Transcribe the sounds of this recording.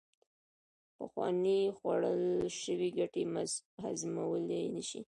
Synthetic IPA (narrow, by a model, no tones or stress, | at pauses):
pəxwɑ̰nexwaɽəlʃəwiɡaʈehazmawəlenəʃi